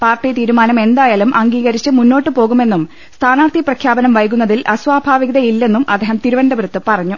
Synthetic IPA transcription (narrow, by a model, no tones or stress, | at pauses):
paːrʈːijt̪iːɾumaːnɐme̞nd̪aːjaːlumʔɐŋɡiːɣɐɾit͡ɕːɨmunːo̞ːʈːɨpo̞ːɣume̞nːum | st̪ʰaːnaːrt̪ʰiprɐkʰjaːbɐnɐmʋɐjk̬unːɐðilʔɐsʋaːbʱaːʋiɣɐðɐilːe̞nːumʔɐ̰d̪ːeːɦɐmt̪iɾuʋɐnɖɐbɾɐt̪ːɨpɐrɐɲːu